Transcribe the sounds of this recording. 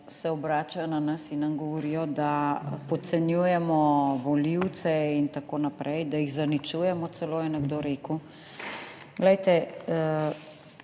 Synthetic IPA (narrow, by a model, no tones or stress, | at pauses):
sɛɔbɾaːt͡ʃajɔnanɐsinːɐmɡɔʋɔɾijɔd̪apɔt̪sɛnjujɛmɔʋɔliwt̪sɛint̪akoːnapɾʔɛjd̪ajiɣzanit͡ʃuːjɛmɔt̪sɛloːjɛnɛɡd̪oːɾeːku | ɡlɛjt̪ɛ